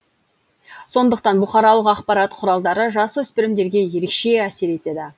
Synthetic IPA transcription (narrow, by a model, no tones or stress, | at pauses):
so̞nd̪əqt̪ɑnbʊχɑɾɑlˠəqɑqpɑɾɑt̪qʰʊɾɑlˠd̪ɑɾəʒɑswɵspɪɾɪmd̪e̞ɾɡʲe̞je̞ɾe̞kʃe̞æse̞ɾe̞t̪e̞d̪ɪ